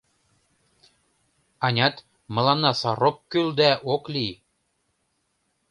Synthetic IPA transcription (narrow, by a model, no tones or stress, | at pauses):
ɑnʲɑt̪ | mɤ̆lɑnːɑsɑrokkːyld̪æʔoklʲij